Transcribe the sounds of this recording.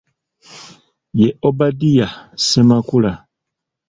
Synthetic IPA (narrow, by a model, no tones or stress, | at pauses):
jeʔobadijasɛmakula